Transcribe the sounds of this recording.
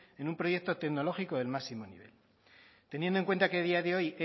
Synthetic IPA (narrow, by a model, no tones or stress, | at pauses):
e̞numpɾo̞je̞k̚t̪o̞t̪e̞ɣno̞lo̞xiko̞ðe̞lmasimo̞nḭβ̞e̞̰l | t̪e̞njend̪oŋkwe̞nt̪akeð̞iaðeo̞je